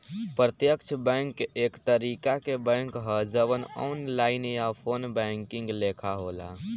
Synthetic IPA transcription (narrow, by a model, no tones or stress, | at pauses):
pɾət̪jəkt͡ʃʰbɛ̃ŋkeekt̪əɾikakebɛ̃ŋkɦəd͡ʒəʋənɔ̰unlainjapʰonbɛ̃ŋkiŋɡlekʰaɦola̰